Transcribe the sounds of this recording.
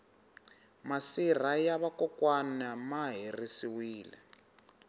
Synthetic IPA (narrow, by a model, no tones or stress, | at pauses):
masir̤ajaβakɔkwanamaɦirisiwiːlɛ̰